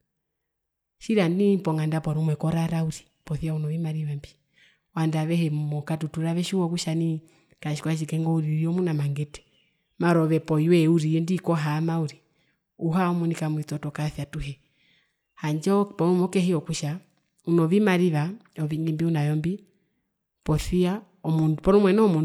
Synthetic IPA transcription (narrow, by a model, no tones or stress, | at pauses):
ʃiɾanipɔŋandapɔɾumwɛkɔɾaɾauɾi̥pɔθiaunɔʋimaɾiβambi | wandaβɛhɛmumɔkatutuɾaʋɛʃuwɔkuʃani | kaʃi̥kwaʃ̬ikɛŋɡɔuɾiɾiɔmunamaŋɡɛtɛ̥ | maɾɔβɛpɔiwɛuɾiɛndikɔɦamauɾi | uɦaɔmunikamuit͡sɔtɔkaθjatuɦɛ | haɲd͡ʒɔpɔmumɔkɛhiɔkuʃa | unɔβimaɾiβaɔʋiŋimbiunajɔmbi | pɔθia | ɔmunpɔnɔmwɛnɔɔmun